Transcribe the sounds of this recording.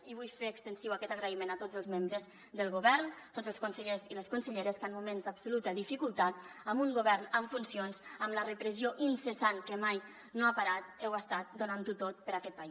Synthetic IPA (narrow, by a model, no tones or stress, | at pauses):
iβ̞ujfeːkst̪ənsiwakɛt̪əɣɾəimenat̪od͡zəlˠzmembɾəz | ðəlˠɣuβɛɾnt̪ozəlˠskunsəʎeziləskunsəʎeɾəskanmumenzd̪absulut̪əðifikulˠt̪at̪̚əmuŋɡuβɛɾnəɱfunsionzəmlərəpɾəzioʔinsəsankəmaj | noapaɾat̪̚ɛwəst̪at̪̚d̪unant̪ut̪ot̪̚pəɾakɛt̪̚pais